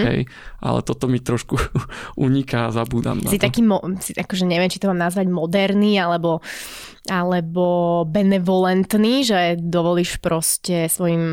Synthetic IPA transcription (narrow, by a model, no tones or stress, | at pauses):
ɦɛ̰j | ʔa̰lɛ̰t̪ɔt̪ɔmit̪ɾɔʃkuuɲikazabuːd̪a̰msit̪akiːmɔsiʔakɔʒɛɲɛʋɪɛmt͡ʃit̪ɔmaːmnazʋaɟmɔd̪ɛɾnialɛbɔ | alɛbɔbɛnɛʋɔlɛnt̪niːʒɛd̪ɔʋɔliːʃpɾɔscɛsʋɔjim